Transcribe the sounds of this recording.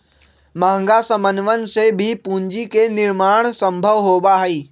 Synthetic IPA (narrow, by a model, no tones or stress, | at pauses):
maɦə̃ŋɡasəmənʋənɪ̆sebʱɪpũːɲd͡ʑikenɪɾmaːɽ̃sɐ̃mbʱəʋɦoːbaɦiː